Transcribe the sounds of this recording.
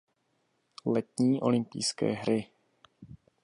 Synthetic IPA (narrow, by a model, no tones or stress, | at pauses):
lɛt̪ɲiːʔo̞̰lɪmpḭjskɛ̰ːɦɾɪ